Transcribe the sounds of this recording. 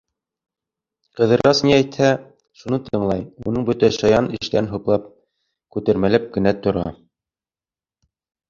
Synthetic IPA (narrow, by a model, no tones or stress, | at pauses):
qɤ̆ðɤ̆ɾɑsniæjt̪hæ | ʃunɤt̪ʰɤ̆ɴlˠɑjunɤɴbɵt̪æʃɑjɑnɘ̆ʃt̪æɘnɦŭqlˠɑp̚ | kʉt̪æɾmælæp̚ɡɘ̆næt̪ŏɾɑ̰